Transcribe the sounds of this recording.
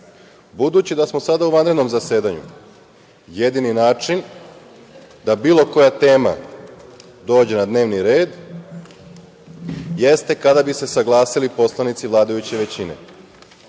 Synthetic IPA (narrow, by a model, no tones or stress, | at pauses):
bud̪ut͡ɕid̪asmo̞sad̪auʋanɾed̪no̞mzase̞ːd̪aɲṵ | je̞d̪ininaːt͡ʃin | d̪abiːlˠo̞ko̞jat̪e̞ːma̰ | d̪o̞ːd͡ʑe̞nad̪ne̞ːʋniɾe̞ːd̪ | je̞st̪e̞kad̪abise̞saɡlˠaːsilipo̞slˠanit̪siʋlˠaːd̪ajut͡ɕe̞ʋe̞t͡ɕine̞̰